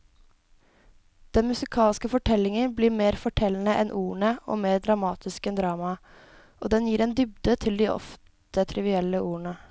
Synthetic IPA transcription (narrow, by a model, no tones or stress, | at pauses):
d̪̥ɛnmʉsɪkʰɑːlskəfɔʈʰɛlːɪŋənbliːɾmeːɾfɔʈʰɛlːn̩əʔɛ̰nʔuːəɳəo̰ːmeːɾd̪ɾɑmɑːt̪ʰɪskɛnd̪ɾɑːmɑ | ʔoːd̪ɛnjiːɾɛːnd̪ʏbd̪ət̪ʰɪld̪iʔɔ̰ftt̪ət̪ʰɾɪʋɪɛlːəʔuːəɳə